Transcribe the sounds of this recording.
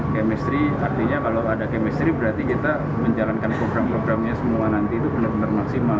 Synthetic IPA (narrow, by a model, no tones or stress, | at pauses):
kemɛst̪ɾiart̪iɲakalawadakemɛst̪ɾibəɾart̪ikit̪a | məɲd͡ʒalankanpɾoɡɾampɾoɡɾamɲasəmuanant̪it̪ubənarbənarmaksima